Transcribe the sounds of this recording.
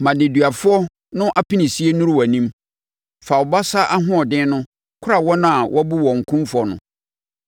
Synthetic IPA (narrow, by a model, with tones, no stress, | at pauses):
mã˨dɪ̃˨dɥa˨fʊ˦ɔ˦ | nʊ̃˦ʔa˦pʰĩ˦nĩ˨si˦e˦nũ˦ɾwa˨nĩ˦m | fa˨wɔ˨ba˦sa˦ʔa˦ɦʊ̃˦ɔ˨dɪ̃˦nʊ̃˦ | kʰʊ˦a˨wɔ˦nã˦a˨wʔɔ˦bu˦wɔ̃˨ŋ̩˨kʰũ˦mfʊ˨˦ɔ˨nʊ̰̃˨